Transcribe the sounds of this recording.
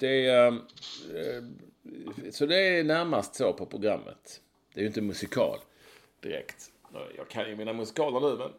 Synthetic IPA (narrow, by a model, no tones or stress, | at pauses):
d̪̥ɛ | sɔd̪ɛænæɾmast̪sopʰɔpʰɾʊɡɾa̰mːə̰t̪ | d̪̥ɛæɾjɵɪnt̪əmɵsɪkʰɑ̰ːl | d̪̥ɪɾɛ̰kt̪ɔ̰jɑ̰ːɡkʰanjɵmɪnːamɵsɪ̥kʰɑːlənʉ̟ːmɛn